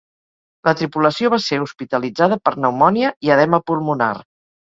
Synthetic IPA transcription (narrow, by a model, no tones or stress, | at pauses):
lət̪ɾipuləsioβ̞aseɾuspit̪əlid͡zaðəpəɾnəwmɔniəiəðɛməpulmuna̰r